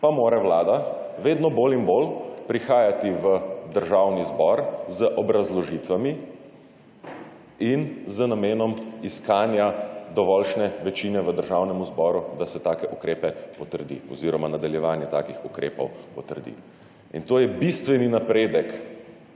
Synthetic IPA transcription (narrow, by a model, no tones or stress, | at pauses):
pamoːɾawlaːd̪a | ʋeːd̪nɔboːlinboːlpɾixaːjat̪iʋəd̪əɾʒaːwnizbɔɾzəʔɔbɾazlɔʒit̪ʋami | inzənameːnɔmiskaːnjad̪ɔʋɔlʃnɛʋɛt͡ʃinɛʋəd̪əɾʒaːwnɛmuzbɔːɾud̪asɛt̪aːkɛʔukɾeːpɛpɔt̪əɾd̪ḭɔ̰ziːɾɔmanad̪aljɛʋaːnjɛt̪aːkixukɾeːpɔ̰wpɔt̪əɾd̪ḭ | ḭnt̪oːjɛbist̪ʋɛninapɾeːd̪ɛk